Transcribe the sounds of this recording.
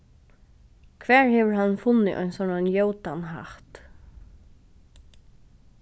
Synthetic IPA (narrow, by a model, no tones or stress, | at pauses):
kʰvɛːɹhɛːvəɹhanːfʊnːɪʔɔ̰jnsɔnanjowt̪anɦa̰ht̪